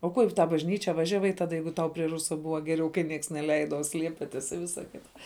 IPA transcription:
oː ˈkuɔ ɪ tɑː bɐʒʲˈnʲiːt͡ʃʲɛ ˈʋɑːʒʲɛˌʋɐɪ ˈtɑːdɐ ˈjɛɪɡʊ ˈtɐʊ pʲrʲiɛ ˈrʊsɐ ˈbʊʋɐ ˈɡʲæːˌrʲɛʊ kɐɪ ˈnʲiɛks nʲɛˈlʲɛɪdɐ oː ˈsʲlʲiɛpʲɪtʲɪs ɪ ˈʋʲɪsɐ ˈkʲɪtɐ

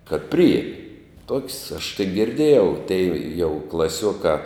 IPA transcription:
kɐt ˈpʲrʲɪjiɛmʲɪ toːkʲsʲ ɐʃ tɐɪ ɡʲɪrʲˈdʲeːjɛʊ tʲɛɪ jɛʊ klˠɐˈsʲuɔkɑː

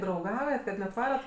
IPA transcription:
drɐʊˈɡɐʊjɛt kɐt nʲɛt ˈʋɑːrɐt

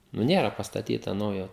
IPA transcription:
nʊ ˈnʲeːrɐ pɐstɐˈtʲiːtɐ ˈnɐʊjoː

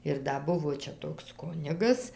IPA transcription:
ɪr ˈdɐ ˈbʊʋoː ˈt͡ʃʲɛ ˈtoːks ˈkʊnʲɪɡɐs

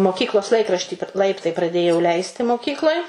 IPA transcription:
moːˈkʲiːklˠoːs ˈlˠɐɪkrɐʃʲtʲiː p ˈlˠɐɪptɐɪ prɐˈdʲeːjɛʊ ˈlʲɛɪsʲtʲɪ moːˈkʲiːklˠoːj

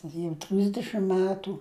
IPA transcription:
jɛʊ ˈtʲrʲɪzʲdʲɛʃʲɪm ˈmʲæːtuː

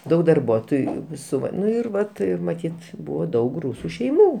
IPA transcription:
ˈdɐʊk dɐrˈbuɔtoːjuː ˈsʊ ˈʋɐ ˈnʊ ɪr ˈʋɐt ɪr mɐˈtʲiːt ˈbʊʋoː ˈdɐʊk ˈruːsʊ ʃʲɛɪˈmuː

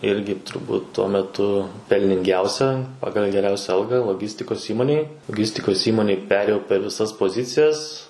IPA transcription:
ˈɪrʲɡʲɪ tʊrˈbuːt tuɔ mʲɛˈtʊ pʲɛlʲnʲɪŋʲˈɡʲɛʊsʲɛ ˈpɑːɡɐlˠ ɡʲɛˈrʲɛʊsʲɛ ˈɐlˠɡɐ lˠoːˈɡʲɪsʲtʲɪkoːs ˈiːmoːnʲeːj lˠoːˈɡʲɪsʲtʲɪkoːs ˈiːmoːnʲeːj ˈpʲæːrʲeːjɛʊ pʲɛr ʋʲɪˈsɐs poːˈzʲɪt͡sʲɪjɛs

